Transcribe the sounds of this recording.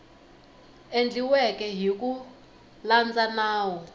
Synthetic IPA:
end͡ɮʱiwɛkɛɦik̬u | land͡zanaːwɔ

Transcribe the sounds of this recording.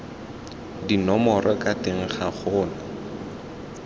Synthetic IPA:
dinɔmɔrʔɔkʼateŋ̩χaχʊːna

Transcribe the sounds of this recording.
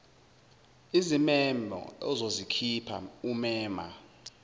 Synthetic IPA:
izimɛmbʱɔ̰ɔzozikʰipʰa̰umɛːma̰

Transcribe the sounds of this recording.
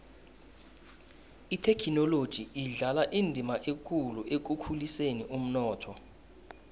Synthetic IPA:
itʰɛkʰinɔlod̥ʒ̥ʱiiɮalaʔindʱimaʔekʼuluʔek̬ukʰuliseniʔum̩nɔːtʰɔ

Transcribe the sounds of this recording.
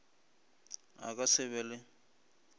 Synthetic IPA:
a̰kʼasɛβɛlɪ

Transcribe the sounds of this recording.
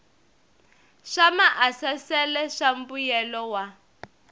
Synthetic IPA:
ʂamaʔasasɛlɛʂambujɛlɔwa

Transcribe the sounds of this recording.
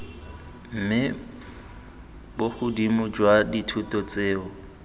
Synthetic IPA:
m̩mɪ | bʊχʊdimʊd͡ʒwaditʰʊtɔt͡seːʊ

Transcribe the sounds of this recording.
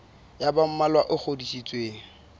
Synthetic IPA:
jabam̩malwaʔʊk͡xʰodiʃit͡sʼweːŋ̩

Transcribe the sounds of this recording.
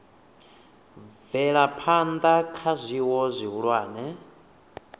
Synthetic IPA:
vɛɺapʰand̪akʰazʷiwɔzʷiɦuɺwaːnɛ

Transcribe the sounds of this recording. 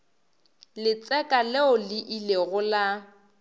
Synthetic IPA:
lɪt͡sʼɛkʼalɪʊlɪʔileɣʊla

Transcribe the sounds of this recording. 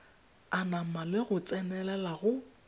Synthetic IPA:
anamalɪɣʊt͡sʼɛnɛlɛlaɣʊ

